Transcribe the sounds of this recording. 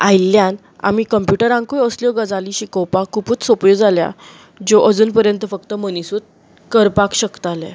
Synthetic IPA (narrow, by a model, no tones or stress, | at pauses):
ajljãn | a̰m̤ikəmpjuʈəɾãŋkujəsljɔɡəd͡zaliɕikəwpakʰupuːt͡ssopjod͡zalja̰ | d͡ʑoʔəd͡zuːnpəɾjənt̪əfəkt̪əmənisuːt̪̚ | kəɾpakɕəkt̪alɛ̰